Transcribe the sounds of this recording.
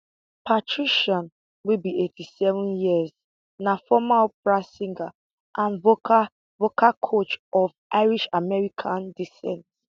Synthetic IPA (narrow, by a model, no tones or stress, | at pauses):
pʰatʰɹiʃɔ̃n | wilbietisɛvũnjiz̥ | nafɔmalpɹasĩŋɡa | ʔãnvo | vokʰakʰot͡ʃɔvʔaɪɹiʃamɛɹikʰãndisɛ̰̃nt